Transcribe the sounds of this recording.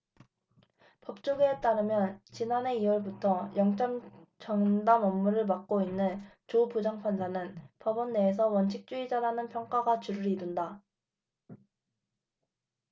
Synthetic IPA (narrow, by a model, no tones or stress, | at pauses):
pʌp̚t͡ɕ͈oɡeːt͈aɾɯmjʌnt͡ɕinane̞iwʌɭbutʰʌjʌŋt͡ɕ͈ʌmt͡ɕʌŋdamʌmːuɾɯɭmak̚k͈oinːɯn | t͡ɕopud͡ʑaŋpʰand͡ʑanɯnpʌbʌnːe̞ːs̬ʰʌwʌnt͡ɕʰik̚t͡ɕ͈uid͡ʑaɾanɯnpʰjʌŋk͈aɡat͡ɕuɾɯɾidunda